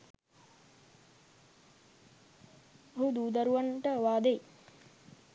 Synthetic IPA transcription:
ɦud̪uːd̪ɐɾuʋaɳʈəʋaːd̪ej

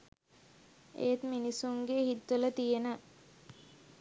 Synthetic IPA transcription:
ʔḛːt̪minisuŋɡehit̪ːulət̪ijenə

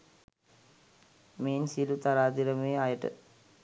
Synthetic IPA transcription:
meːnsilut̪aɾaːd̪iɾɐmeːajəʈə̰

